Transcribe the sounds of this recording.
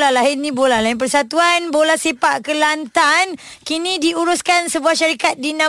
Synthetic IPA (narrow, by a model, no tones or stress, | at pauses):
lalaɦɪnĩbolahlainp̬ərsat̪uanbolahsipaʔkəlant̪an | kinĩdiuɾʊskansəbuahʃaɾikat̪̚dinã